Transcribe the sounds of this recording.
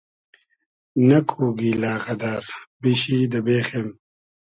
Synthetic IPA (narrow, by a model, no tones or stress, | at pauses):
nɐkʰuːɡiːlaːɣɐd̪aɾbiɕiːd̪ɐbeːxem